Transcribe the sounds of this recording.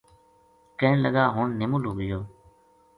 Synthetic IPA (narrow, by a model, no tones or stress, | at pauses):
kə̃ːnləɠaːɦʊɳnɪmuːluːɡɪjoː